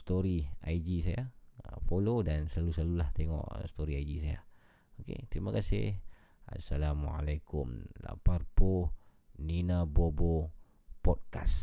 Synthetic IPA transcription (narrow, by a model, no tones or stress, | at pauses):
st̪oɾiaid͡ʒisajafolodansəlaluslalulaht̪eŋɔ̰ʔst̪oɾiaidisaja̰ | okḛt̪ɾimakasɪ̰h | a̰sːalama̰lakʊmla̰parpo | ninabobo | pɔt̚kas